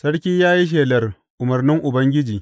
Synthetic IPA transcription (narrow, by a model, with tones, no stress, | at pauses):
sɐ˦ɽkʲiː˦jaː˦ji˦ʃ̬eː˨lɐ˨r | ʔʊ˨mɐ˨rnɪ˦ŋʔʊ˨bɐ˦ŋɡʲɪ˦d͡ʒiː˨